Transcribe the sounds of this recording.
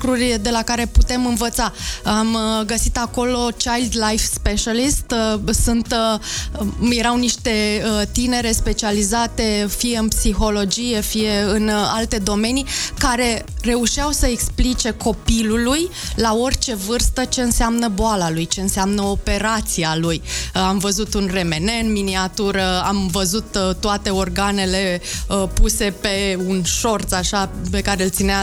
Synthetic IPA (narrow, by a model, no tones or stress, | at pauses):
kɾurʲd̪e̞lakaɾe̞put̪e̞mɨnvət̪saamɡəsit̪ako̞lo̞t͡ʃajld̪lajfspeʃalist̪sunt̪ | je̞ɾawniʃt̪e̞ət̪ine̞ɾe̞spe̞t͡ʃializat̪efije̞ɨnpsixo̞lo̞d͡ʒije̞fije̞ɨna̰lt̪e̞d̪o̞me̞nikaɾe̞re̞uʃiawsəeksplit͡ʃe̞kʰo̞piluluj | lao̞rʲt͡ʃe̞vɨrst̪ət͡ʃe̞ɨnseamnəboalalujt͡ʃe̞ɨnseamnəo̞pe̞ɾat̪sialujamvəzut̪unre̞me̞ne̞ɨnminiat̪uɾəamvəzut̪t̪ːoat̪e̞o̞rɡane̞le̞əpuse̞pe̞unʃo̞rt̪saʃape̞kaɾelt̪sinea